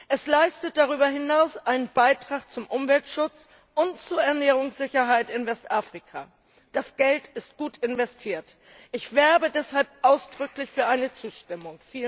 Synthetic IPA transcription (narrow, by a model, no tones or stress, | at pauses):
ʔɛslaɪstət̚d̥aʁ̞yːbɐɦɪnaʊsʔaɪnənbaɪtʁ̥aːχt͡sʊmʔʊmvɛltʃʊt͡s | ʔʊntt͡suːɐɛɐnɛːʁ̞ʊŋsz̥ɪçɐɦaɪtɪnvɛstʔaːfʁ̥ikʰa̰ | d̥asɡ̥ɛltɪst̚ɡ̥uːtɪnvɛstʰiːɐt | ʔɪçv̥ɛɐbədɛshalp̚ʔaʊsd̥ʁʏklɪçfyːɐʔaɪnət͡suːʃtɪmʊŋfiːlə